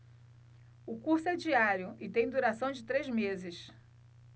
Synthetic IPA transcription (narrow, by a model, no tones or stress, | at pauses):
ʊkuɾsʊɛd͡ʒiaɾjʊɪt̪ẽj̃d̪uɾasɐ̃w̃d͡ʒɪt̪ɾezmezɪs